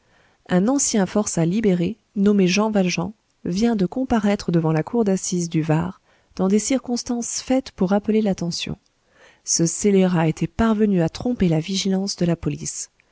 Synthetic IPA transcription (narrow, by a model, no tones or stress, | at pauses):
ɛ̃nɑ̃sjɛ̃fɔʁsalibeʁe | nɔmeʒɑ̃valʒɑ̃ | vjɛ̃d̪əkɔ̃paʁɛt̪χəd̪əvɑ̃lakʰuʁd̪asizd̪yvaʁ | d̪̥ɑ̃d̪esiʁkɔ̃st̪ɑ̃sfɛt̪puʁːapəlelat̪ɑ̃sjɔ̰̃ | səseleʁaet̪ʰɛpaʁvənyat̪χɔ̃pelaviʒilɑ̃sd̪əlapɔlis